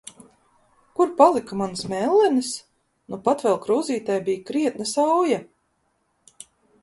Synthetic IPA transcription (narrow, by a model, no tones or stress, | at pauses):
kuɾpalˠikamansmɛlˠːɛnis | nupat̪vɛlˠkɾuːziːt̪ajbijkɾiɛt̪̚nasawja